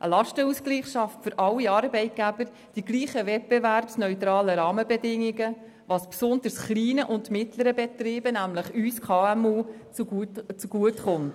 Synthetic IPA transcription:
ʔə̰lɑʃtəuskliːχʃɑftfʏɾʔɑlːiɑːɾbɛɪt̚ɡ̥æb̥əɾ | d̥iɡliːχəvɛt̚b̥ɛværbsnœʏtɾɑːləɾɑːməbɛdɪŋːiɡə | vɑspsʊnd̪əsχliːnəʔʊntmɪtləɾəbɛt̪rɪːbənæmləχyːskʰɑːɛmuː | t͡st͡suɡ̥uətχʊnt

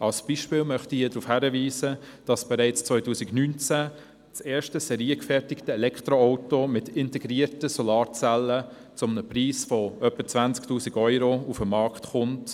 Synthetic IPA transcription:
ʔɑlsb̥iːʃpɪːlmœχtiiːɐdɾufhæɾəviːsəd̥ɑsb̥ɛɾɛɪt͡st͡svɔʏtuːsɪɡnynt͡sæ | t͡seːʃtəsɛɾiːəkfɛɾtɪktəɛlɛkʰtɾoɔʊtomɪtɪntɛɡɾiːəɾtəsɔlɑːɾt͡sɛlːə | t͡sʊmnəpriːsfɔœpːət͡svænt͡sktuːsiɡœʏɾoufəmːɑɾkχtχʊnt

